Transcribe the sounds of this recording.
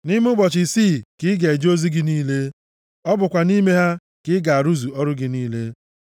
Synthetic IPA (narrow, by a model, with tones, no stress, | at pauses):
ni˦m˦ʊ˦bɔ˨t͡ʃɪ˨siː˦˨kɪ˦ɡe˨e˨d͡ʒo˦zi˦ɡɪ˦niː˦le˦ | ɔ˦bʊ˨kʷa˨ni˦me˦ɦa˦ | kɪ˦ɡa˨a˨ɾu˦zu˨ɔ˦ɾʊ˦ɡɪ˦niː˦le˦